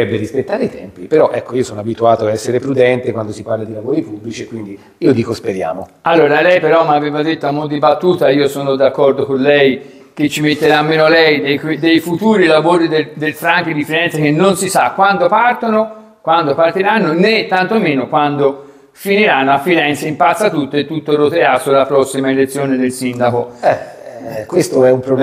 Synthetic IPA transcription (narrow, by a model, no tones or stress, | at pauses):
ɛbːeɾispet̪ːaːɾeit̪ɛmpipeɾɔʔɛkːoiːosoːnoabit̪uaːt̪oaɛsːeɾepɾud̪ɛnt̪ekwand̪osiparlad̪ilavoːɾipubːlit͡ʃiekwind̪i | iːod̪iːkospeɾja̰ːmo̰alːoːɾalɛjpeɾɔmːaveːvad̪et̪ːoamud̪ibat̪ːuːt̪aiːosoːnod̪akːɔrd̪okonlɛj | k̟et͡ʃːimet̪ːeɾamːeːnolɛjd̪ejkwd̪ejfut̪uːɾilavoːɾid̪ed̪elfɾaŋkid̪ifiɾɛnt̪sek̟enːonsisakːwand̪opart̪ono | kwand̪opart̪iɾanːonet̪ːant̪omeːnokwand̪o | finiɾanːoafːiɾɛnt̪seimpat̪sːat̪ut̪ːoet̪ːut̪ːorot̪easulːapɾɔsːimaelet̪sːjoːned̪elsind̪akoɛ | kːwest̪oɛumpɾob